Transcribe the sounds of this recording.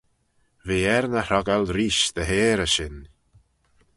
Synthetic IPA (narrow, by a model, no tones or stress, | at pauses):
viːɛɾnəhɾɔɡəlɾiːʃd̪əɦeːɾəʃɪn